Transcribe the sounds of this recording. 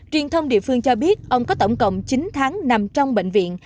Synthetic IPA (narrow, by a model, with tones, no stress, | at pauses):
t͡ɕwi˨˩ənt̪ʰə˧wŋ͡mɗḭ˧˨əfɨ˧ŋt͡ɕɔ˧ɓi˦˥ət̚ʔə˧wŋ͡mkɔ˨˦t̪ə˧˩wŋ͡mkə̰˧˨wŋ͡mt͡ɕi˨˦ŋ̟t̪ʰaː˨˦ŋna˨˩mt͡ɕɔ˧wŋ͡mɓḛ˧˨ŋ̟vḭ˧˨ən